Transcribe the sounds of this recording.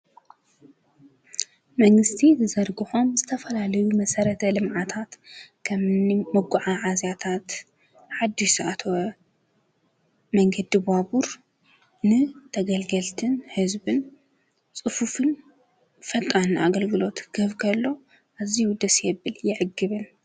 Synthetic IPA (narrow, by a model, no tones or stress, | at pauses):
mɐŋɡɨst̪ʰizɨzɐɾɡɨħo̞mzɨt̪ʰɐfɐlalɐjumɐsɐɾɐt̪ʰɐlɨmʕat̪ʰat̪kʰɐmɨnimɐɡuʕaʕazjat̪ʰat̪ | ħad̪isat̪ʰwɐ | mɐŋɡɐd̪ibaβuɾ | nɨt̪ʰɐɡɐlɡɐlt̪ʰɨnhɨzbɨn | t͡sʼɨfufɨn | fɐt̪ʼanaɡɐlɡɨlo̞t̪ɡ̥ɐβkʰɐlːo̞ | ʔaziwud̪ɐsjɛβɨljɪʕɨɡːɨβɨn